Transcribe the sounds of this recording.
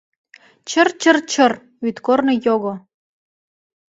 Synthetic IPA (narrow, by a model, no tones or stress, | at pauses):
t͡ɕərt͡ɕərt͡ɕə̆r | yt̪kornɤ̆joɣo